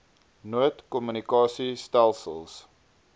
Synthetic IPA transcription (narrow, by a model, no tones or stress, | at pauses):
nuətkɔmynikɑːsistælˠsə̰lˠs